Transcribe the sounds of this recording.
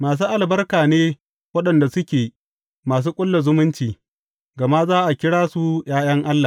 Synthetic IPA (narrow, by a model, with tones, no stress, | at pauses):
maː˨s̬uː˦ʔa˨lbɐ˦rkaː˨neː˦ | wɐ˦ɗɐ˨nda˨sʊ˦kʲeː˨ | maː˨s̬uː˦kʷʼʊ˦lːa˨zʊ˦mʊ˦nt͡ʃiː˨ | ɡɐ˨ma˦zaː˦ʔa˨kʲɪ˦ɽaː˦su˨j̰aː˦j̰ɐ˦ŋʔa˦lːa˨